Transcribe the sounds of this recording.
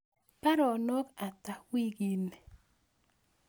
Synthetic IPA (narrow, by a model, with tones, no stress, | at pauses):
pa˦ɾɔ˨nɔ˦ka˨ta˨wi˦ɡi˨n